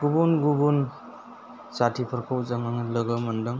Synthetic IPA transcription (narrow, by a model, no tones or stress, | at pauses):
ɡ̥ubunɡubun | satʰipʰɐɾkʰawzaŋaŋalɯɡamɐndɯŋ